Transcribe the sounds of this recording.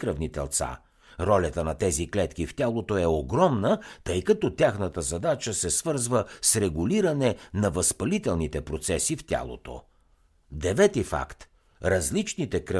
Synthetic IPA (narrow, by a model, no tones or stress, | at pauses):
kɾəvnit̪ɛ̰lˠt̪sa̰ | ɾɔlʲət̪ənɐt̪ɛziklɛt̪kift̪ʲalˠot̪oɛoɡɾɔmnət̪ɤjkɐt̪ɔt̪ʲjaxnət̪əzɐd̪at͡ʃəsɛsvɤɾzvəsɾɛɡʊliɾɐnɛnɐvɐspɐlit̪ɛlˠnit̪ɛpɾot̪sɛsift̪ʲa̰lˠo̰t̪o̰ | d̪ɛvɛt̪ifa̰kt̪ | ɾɐzlit͡ʃnit̪ɛkɾə